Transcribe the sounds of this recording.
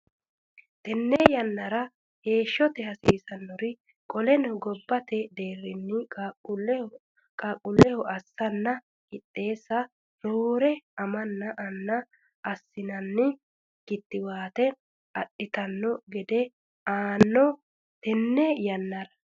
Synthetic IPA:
t̪ɛnːɛjɐnːɐɾɐ | he̞ːʃːɔt̪ɛhɐsiːsɐnːɔɾɪ | kʼɔlɛnɔɡɔbːɐt̪ɛd̪e̞ːrːɪnːɪ | kʼakʼʊlːɛhɔʔɐsːɐnːɐ | kɪt̪ʼːe̞ːsːɐ | noːɾɛɐmɐnːɐʔɐnːɐ | ɐsːɪnɐnːɪ | ɡ̥ɪt̪ːɪwaːt̪ɛ | ɐɗɪt̪ɐnːɔɡɛd̪ɛ | aːnːɔ | t̪ɛnːɛjɐnːɐɾɐ̥

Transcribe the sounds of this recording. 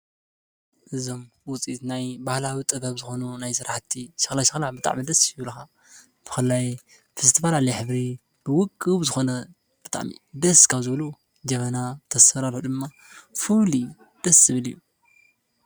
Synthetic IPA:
ʔɨzo̞mwʊt͡sʼit̪najbahlawit̪ʼɨbɐβzɨxo̞nunajsɨɾaħt̪ʰiʃɪ̥xlaʃɨxlabɨt̪ʼa̰ʕmid̪ɐsjiβlxa | b̥ɨ̥xɨlːaj | fɐsɨt̪ʰifalalɐjħɨβɾi | bɨwʊkʼːɨβzɨxo̞nɐ | b̥ɨt̪ʼa̰ʕmḭd̪ɐskʰazɨβlu | d͡ʒɐmɐnat̪ʰɐsfɐɾalħud̪ɨmːa | fuli | d̪̥ɐsːɨβɨlijːu

